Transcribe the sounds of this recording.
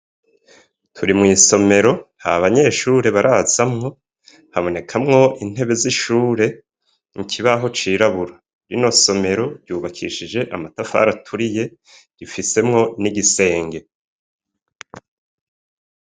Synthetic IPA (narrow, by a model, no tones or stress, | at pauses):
tʰuɾimŋiːso̞me̞ɾo̞haβaɲe̞ːʃuːɾe̞βaɾʔazamŋo̞ | haβo̞ne̞kʰamŋo̞ʔin̥e̞βe̞ziʃuːɾe̞ | ŋcʰiβaɦo̞t͡ʃiːɾaβuɾa | ɾino̞so̞me̞ɾo̞ɾɟuːβakʰḭʃid͡ʒe̞ʔamatafa̰ːɾatʰuɾije̞ | ɟ̥ifise̞mŋo̞niɟise̞ːŋɡe̞